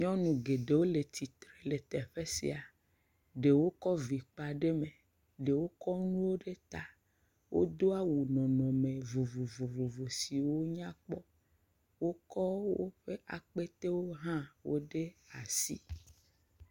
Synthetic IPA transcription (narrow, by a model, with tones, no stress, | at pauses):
ɲɔ̃˦nũ˨ɡe˨ɖe˨wo˦le˨t̪ʰi˨t̪ɾe˨le˨t̪ɛ˨ɸe˦sḭ˨a˨ | ɖe˨wo˦kɔ˦vi˨k͡pa˨ɖe˦me˨ | ɖe˨wo˦kɔ˦nũ˦wo˦ɖe˦t̪a˦ | wʔo̰˦d̪o˦a˦wu˨nɔ̃˨nɔ̃˨me˨vo˨vo˨vo˨vo˨vo˨si˨wo˦ɲã˦k͡pɔ˦ | wo˦kɔ˦wo˦ɸe˦ʔa̰˨k͡pe˦t̪e˦wo˦ɦã˦wo˦ɖe˦a˨sḭ˦